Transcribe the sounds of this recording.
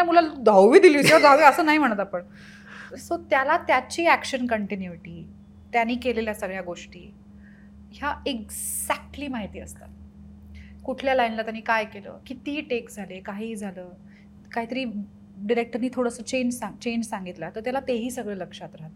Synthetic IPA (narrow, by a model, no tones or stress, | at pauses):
amulad̪ʱawʋiːd̪ilit͡ɕiad̪ʱawʋiːəsəːnaɦim̤əɳ̃t̪apəɳ | sot̪jalat̪jat͡ɕiːækɕənkəɳʈinjuiʈiː | t̪janːiːkeleljasəɡɭjaɡoʂʈḭː | ɦjaeɡ | zæk̚ʈliːmaɦit̪iːə̰st̪a̰ | kuʈʰljalajnlat̪janːiːkajkelə̰ːkit̪iːʈekd͡zʱalekaɦiːd͡zʱaləː | kaɦiːt̪əɾiː | ɖiɾek̚ʈəɾniːt̪ʰoɽəsəːt͡ɕeɲd͡ʑsat͡ɕeɲd͡ʑsaŋɡit̪lat̪əɾt̪jalat̪eɦiːsəɡɭeːləkʂat̪ɾaɦət̪